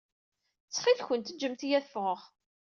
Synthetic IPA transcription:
t͡sːχilçənt̪əd͡ʒːəmt̪ijæθəfʁəʁ

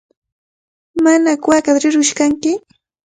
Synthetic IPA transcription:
manakwakat̪ɾɪɾʊʃkaŋkɪ

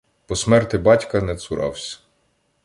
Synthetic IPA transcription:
pɔsmɛrt̪ɪbɑtʲkɐnɛsʊɾʔɑ̰wsʲɐ̥

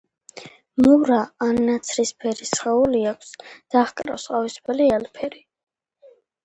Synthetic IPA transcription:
mɔvɾaːnːat̪sʰɾispʰɛɾisχɛuliakʷʰsd̪̥aχkʼɾa̰wsqʼavispʰɛliɛlpʰɛɾi

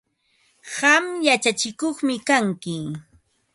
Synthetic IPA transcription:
ɢɑmjat͡ʃat͡ʃɪkoχmɪkaŋkɪ

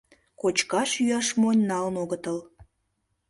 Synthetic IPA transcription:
kot͡ɕkɑʃyɑʃmonʲnɑlnoɣət̪əl

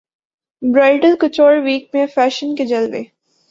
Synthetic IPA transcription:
bɾaːɪʈəlkʊt͡ʃoːɾʋiːk̚mẽfɛːʃənked͡ʒɐlʋḛː

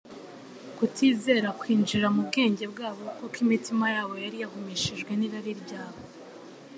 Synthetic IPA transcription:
kutʰiːze̞ːɾakwiːnd͡ʒiɾamubɡe̞ːɲɟe̞bɡaːβo̞kokwimitimajaːβo̞jaɾijaɦumiʃiʒɡwe̞niɾaɾiɾbɟaːβo̞

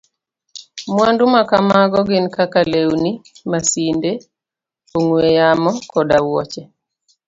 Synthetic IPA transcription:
mwandumakamaɡɔɡɪnkakalewnimasinde | oŋwejamɔkɔdawɔt͡ʃɛ

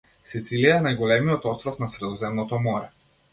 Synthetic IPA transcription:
sit̪silijaɛnajɡɔlɛmiɔt̪ɔst̪ɾɔfnasɾɛd̪ɔzɛmnɔt̪ɔmɔɾɛ

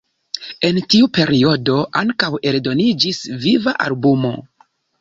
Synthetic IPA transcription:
e̞ntiupe̞ɾio̞do̞ʔaŋkawe̞ldo̞nid͡ʒisvivaʔalbumo̞̰

